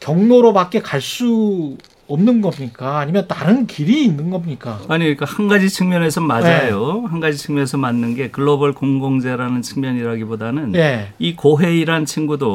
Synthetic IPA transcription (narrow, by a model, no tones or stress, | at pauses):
kjʌŋnoɾobak͈e̞kaɭs͈u | ʌmnɯnɡʌmɲik͈aːɲimjʌntaɾɯnkiɾiːnːɯnɡʌmɲik͈aaɲik͈ahanɡad͡ʑit͡ɕʰɯŋmjʌne̞sʰʌmad͡ʑajohanɡad͡ʑit͡ɕʰɯŋmjʌnesʰʌmanːɯnɡe̞kɯɭːobʌɭkoŋɡoŋd͡ʑeɾanɯnt͡ɕʰɯŋmjʌɲiɾaɡibodanɯneikoɦe̞iɾant͡ɕʰiŋɡudo